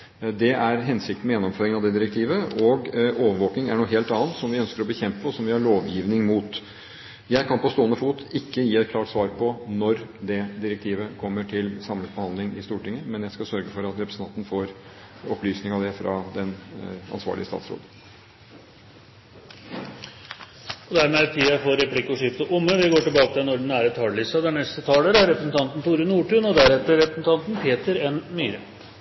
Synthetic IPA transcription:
d̪ɛʔæɾɦɛnsɪk̚t̪n̩mɛjɛnːɔmføːɾɪŋnɑʋd̪ɛd̪ɪɾɛk̚t̪ʰiːʋəʔɔɡoːʋəɾʋoːknɪŋæɳuːɦeːlt̪ɑːnt̪sɔmʋɪœnskəɾɔbəçɛmpəɔsɔmʋɪhɑɭoːʋjiːʋnɪŋmuːt̪ | jæɪkʰɑnpɔst̪oːənəfuːt̪ɪkːəjiːɛt̪kʰlɑːʈsʋɑːɾpʰɔnɔɾd̪ɛd̪ɪɾək̚t̪ʰiːʋəkʰɔmːəʈʰɪlsɑmləbəhɑnd̪lɪŋɪ̰st̪uːʈɪŋːəmɛnjæɪskɑsœɾɡəfɔɾɑt̪ɾɛpɾəsn̩ʰɑnt̪nəfoːɾ | ɔplyːsnɪŋɑʋd̪ɛfɾɑ̰d̪ɛnɑ̰nsʋɑ̰ːɭɪəst̪ɑ̰ːt̪sɾo̰ːd̪ | ɔd̪æɾmeːt̪ʰiːɑfɔɾɛplɪkːɔʂɪft̪əʔʊmːəʋɪɡoːʈɪlbɑːkət̪ɪɛnɔɖɳ̩æːɾət̪ʰɑɭɭɪsɑd̪ɛɳnɛst̪ət̪ʰɑːləɾæɾɛpɾəsn̩t̪ʰɑnt̪n̩t̪uːɾənuːʈʉːnɔd̪æɾɛt̪ːəɾɾɛpɾəsn̩t̪ʰɑnt̪n̩pʰeːt̪əɾɛnmyːɾə

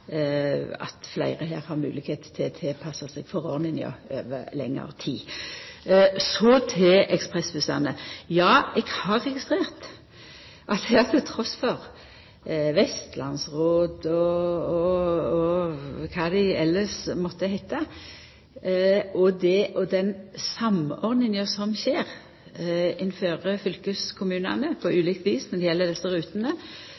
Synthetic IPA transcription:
ɑ̰t̪flæɪʁəɦḛːɾhɑɾmʉ̰ːlɪkheːt̪t̪ʰɪt̪ʰɛlpʰɑsɑsɛɡ̥fɔɾo̰ːnɪnɪɑ̰øːʋəlɛ̰ŋːə̰ʁt̪ʰiː | sɔt̪ʰɛʔɛkspʁɛsbʉsɑnəjɑːɛɡhɑɾːɛɡɪst̪ʁeːʁt̪ | ʔɑɑt̪ʰɪlt̪ʰɾɔsfɔʁ | ʋɛst̪lɑnsʁoːd̪ɔɔɔkʰɑːd̪ɛɛlːəsmɔt̪ːəhæɪt̪ɑ | ʔɔd̪ɛʔɔd̪ɛnsɑmɔʁd̪ɪŋɔsɔmʃeːʁ | ɪnføːɾəfʏlkəskʰʊmʉːnɑ̰nəpʰɔʔʉːliːkt̪ʋiːsnɔd̪ɛɪjɛlːəd̪ɛsːəɾʉːt̪ənə

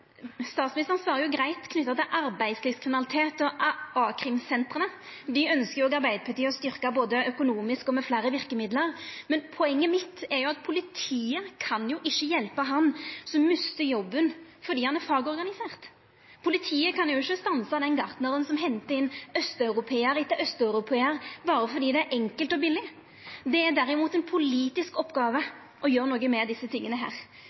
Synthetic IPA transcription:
st̪ɑːt̪smɪnɪst̪ʁənsʋɑːɾəjʊɡɾæɪt̪kʰnʏt̪ːɑt̪ɪlʔɑɾbæɪd̪sliːʋskʰʁɪmɪnɑlɪt̪ʰeːt̪ɔʔɑːkʰʁɪmsɛnt̪ʁənəd̪ɪœnskəjʊɔɡɑɾbæɪd̪əpʰɑt̪iːəɔst̪ʏɾkɑboːd̪əœkʊnuːmɪskɔmɛflæːɾəʋɪɾkəmɪd̪ləʁmɛnpʰɔɛŋːəmɪt̪ːɛɾjʊɑt̪̚pʰʊlɪt̪ʰiːəkʰɑnjʊʔɪʃːəjɛlpəɦɑnsɔmːʉst̪əɾjɔbːən | fɔd̪iːhɑnæɾfɑːɡɔɾɡɑnɪseːʁt̪ | pʰʊlɪt̪ʰiːəkʰɑnjʊɪçːəst̪ɑnsɑd̪ɛnɡɑʁt̪nəɾənsɔmɦɛnt̪əɪnːœst̪ɑʉɾʊpʰeːəɾɪt̪ːəʔœst̪œʉɾʊpʰeːəɾbɑːɾəfɔɾd̪iːd̪ɛæɾʔɛŋkəlt̪ɔbɪlːɪ | d̪ɛæɾd̪æɾɪmuːt̪ɛnpʰʊliːt̪ɪskɔpːɡɑːʋə | ʔɔjøːɾnoːɡəmɛd̪ɪsːət̪ʰɪŋːənəɦæ̰ːɾ

